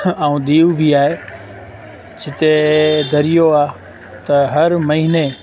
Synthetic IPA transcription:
ãũːɗ̪iːubʱiaːɦe | d͡ʑʰɪt̪ed̪ʱɐɾijoaː | t̪ɐɦɐɾmɐɦɪne

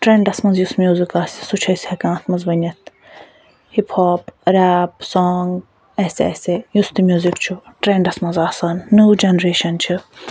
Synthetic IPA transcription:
ʈɾẽːɳɖɐsmɐnzjusmjuːzikaːssut͡ʃʰɐsʲhɐkãːt̪ʰmɐzʋɐnʲɐt̪̚ | hipʰhoːpɾaːpsoːŋɡ | ɛːsɛ̰sejust̪imjuːzikt͡ʃʰuʈɾeɳɖɐsmɐnzaːsɐnːuːd͡ʒenɾeːʃɐnt͡ʃʰi

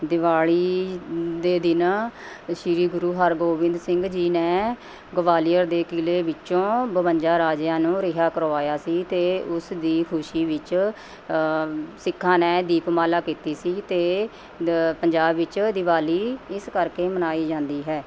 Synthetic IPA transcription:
d̪ɪʋaːɭiː | d̪eːd̪ɪna | ʃɪɾiːɡʊɾuːɦəɾɡoːʋɪ̃nd̪sɪŋɡd͡ʒiːnɛ̃ː | ɡəʋaːlijəɾd̪eːkɪleːʋɪt͡ʃõːbəʋəɲd͡ʒaːɾaːd͡ʒjãːnũːɾɪɦaːkəɾoːaːjaːsiːt̪eːʊsd̪iːkʰʊʃiːʋɪt͡ʃ | sɪkʰːãːnɛːd̪iːpmaːlaːkiːt̪iːsiːt̪eː | pəɲd͡ʒaːbʋɪt͡ʃd̪ɪʋaːliːɪskəɾkeːmənaːiːd͡ʒãːnd̪iːɦɛː

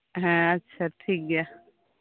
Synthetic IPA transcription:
ɦɛ̃ɐtːʃʰaʈʰiːk̚ɡja

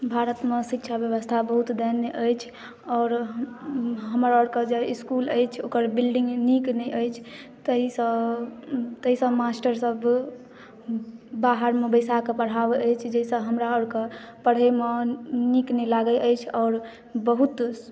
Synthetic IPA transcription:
bʱaɾət̪mesikt͡ʃʰabjəʋəst̪ʰabəɦut̪d̪eneʔəjt͡ʃʰ | ɔːɾ | ɦəmɾaɔɽked͡ʒeiskuləjt͡ʃʰokəɾbilɖĩŋɡniknɛjʔəjt͡ʃʰ | t̪əɦisə̃ | t̪əɦisə̃masʈəɾsəb | baɦəɾmebəjsakepəɽ̤abəjt͡ʃʰd͡ʒəɦisə̃ɦəmɾaɔɽke | pəɽ̤emeniknɛlaɡəʔəjt͡ʃʰɔːɾ | bəɦut̪

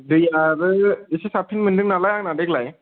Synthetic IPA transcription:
dɯjaɾɯisesapʰinmɯndɯknalajaŋnadeklaj

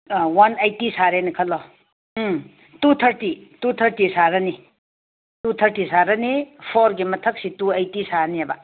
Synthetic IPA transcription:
wanajtisaɾenɐkʰɐlːɔ | tut̪ʰəɾtitut̪ʰəɾtisaɾɐni | tut̪ʰəɾtisaɾɐnipʰoɾɡimɐtʰək̚situajtisaɾniaba̰

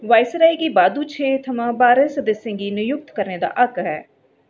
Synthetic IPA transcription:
ʋaːɪsɾaːiːɡiːbaːd̪uːt͡ʃʰeːt̪ʰəmãːbaːɾəsd̪ɪsɪ̃ŋɡiːnɪjʊk̚t̪kəɾneːd̪a̰ːʔəkɦɛː

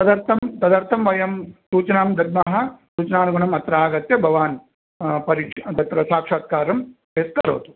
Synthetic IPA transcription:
t̪ɐd̪ɐɾt̪ʰɐmt̪ɐd̪ɐɾt̪ʰɐmʋɐjɐmsuːt͡ʃɐnaːmd̪ɐd̪̚maɦɐ̆suːt͡ʃɐnaːnuɡɐɳɐmɐt̪ɾaːɡɐt̪jɐbʱɐʋaːn | pɐɾiːkʂɐd̪ɐt̪ɾɐsaːkʂaːt̪̚kaːɾɐm | eːskɐɾo̰ːt̪u̥

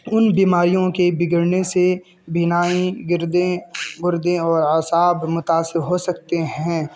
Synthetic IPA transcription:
ʊnbiːmaːɾijõkebɪɡəɾnese | bʱɪnaːiɡɪɾd̪ẽɡʊɾd̪ẽɔːɾasaːbmʊt̪aːsɪɾɦosɐk̚t̪eɦɛ̃ː

